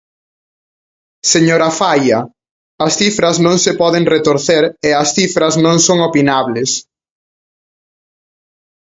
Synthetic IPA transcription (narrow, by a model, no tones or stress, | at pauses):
seɲoɾɐfajɐ | ɐsθifɾɐznõŋsɪpɔðeŋret̪oɾθeɾeɐsθifɾɐznõŋsoŋopinaβles